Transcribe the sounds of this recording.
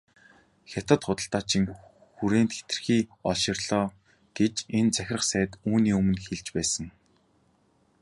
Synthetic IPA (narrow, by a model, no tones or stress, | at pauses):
xʲat̪ə̆t̪χʊt̪ə̆ɬt̪aːt͡ɕʰĭŋ | xuɾeːnt̪xe̥t̪ɘ̆rxiːɔɮʃɪ̆rɮɔː | ɡ̥et͡ɕent͡sæxʲɪ̆rə̆χsæːt̪uːniːɵmɵ̆nxeɮt͡ɕpæːsə̆ŋ